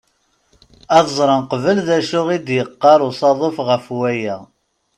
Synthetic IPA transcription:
ɑðzˤɾˤənqvəlðæʃʊʁid̪jəqːɑɾˤʊsˤɑðˤofʁəfwæjæ

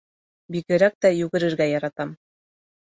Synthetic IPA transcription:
bikɘ̆ɾæk̚t̪æjʉɡɘ̆ɾɘ̆ɾɡæjɑɾɑt̪ɑm

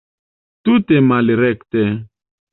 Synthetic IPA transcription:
t̪ut̪emaliɾɛkt̪e

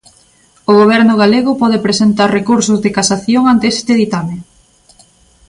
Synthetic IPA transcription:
ʊɣoβ̞ɛɾnʊɣaleɣʊpɔðepɾesent̪aɾrekuɾsʊzðekasaθjoŋant̪eest̪eðit̪ame

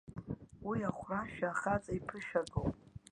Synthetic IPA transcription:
wiaχʷraʃᶣaːχat͡sʼaipʰɨʃᶣaɡowpʼ

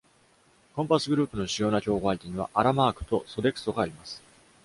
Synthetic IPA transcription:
kõ̞mpasɨɡɯ̟ɾɯ̟ːpɯno̞ɕijo̞ːnakʲo̞ːɡo̞ait̪eɲ̟iβa̰ʔaɾamaːkɯ̟̥t̪o̞so̞d̪e̞kɯ̟̥so̞ɡaːɾʲimasɨ̥

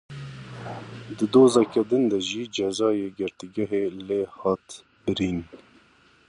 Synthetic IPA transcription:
d̪ɨd̪oːzɑːkɛd̪ɨnd̪ɛʒiːd͡ʒɛzɑːjeːɡɪɾt̪iɡɛɦeːleːhɑːt̪ | bɨɾiːn

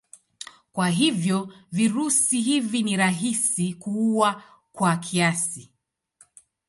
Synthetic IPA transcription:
kwaɦivjɔviɾusiɦiviniɾaɦisikuua | kwakʰiasi

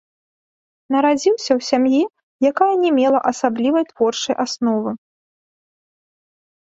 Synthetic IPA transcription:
nɐɾad͡zʲiwsʲɐwsʲamji | jakajɐnʲɛmʲɛlˠɐʔɐsablʲivɐjt̪vɔrt͡ʂɐjʔasnɔvɨ

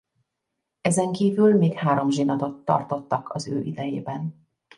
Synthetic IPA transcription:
ɛzɛŋkiːvylmeːkhaːɾo̞mʒinɒt̪o̞t̪ːɒ̰rt̪o̞t̪ːɒkʰɒzø̰ːʔid̪ɛjeːbɛn

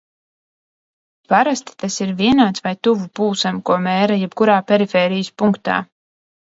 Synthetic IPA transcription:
paɾast̪i̥t̪asiɾviɛnaːt̪svajt̪uvupuːsamkuɔmɛːɾɐjɛb̚kuɾaːpʲɛɾifɛːɾijəspuŋkt̪a̰ː

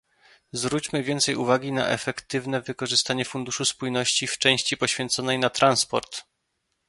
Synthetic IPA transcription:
zvɾut͡ɕmɘvʲjɛnt̪sɛjuvaɡʲina̰ʔɛfɛkt̪ɘvn̪ɛvɘkɔʐɘst̪aɲɛfund̪uʂuspujnɔɕt͡ɕift͡ʂɛ̃w̃ɕt͡ɕipɔɕfʲjɛnt̪sɔnɛjnat̪ɾanspɔ̰ɾt̪

